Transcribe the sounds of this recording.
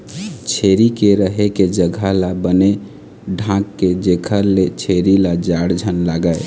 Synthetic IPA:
t͡ʃʰeɾikeɾəɦeked͡ʒəɡʱalabəne | ɖʱãkːed͡ʒekʰəɾlet͡ʃʰeɾilad͡ʒaɽd͡ʒʱənlaɡəj

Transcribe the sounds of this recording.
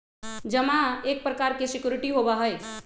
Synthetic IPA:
d͡ʒəmãek̚pɾəkaɾkesikjuɾiʈiɦobaɦəj

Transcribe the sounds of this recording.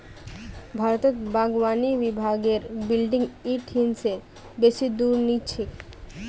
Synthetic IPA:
bʱaɾot̪et̪baɡwanibibʱaɡeɾbilɖiŋiʈɦinse | beʃid̪uɾnit͡ɕʰik

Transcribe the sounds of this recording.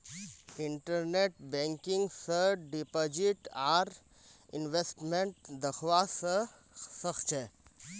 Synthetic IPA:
ɪɳʈəɾneʈbẽŋkɪ̃ŋɡsəɖipod͡ʒiʈaːɾ | ɪnʋesʈmẽɳʈ̚d̪əkʰʋasə | səxt͡ʃʰɛ

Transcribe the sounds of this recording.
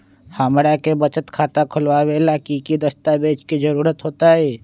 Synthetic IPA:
haːmɾakebət͡ʃət̪kʰaːt̪akʰʊlwaːwelaːkikid̪əst̪abeːt͡ʃkid͡ʒəɾuːɾət̪ɦoːt̪aɦɛː

